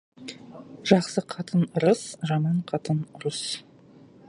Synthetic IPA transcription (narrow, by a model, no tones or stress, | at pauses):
ʒɑqsəqʰɑt̪ənɾəsʒɑmɑɴqʰɑt̪ənɾəs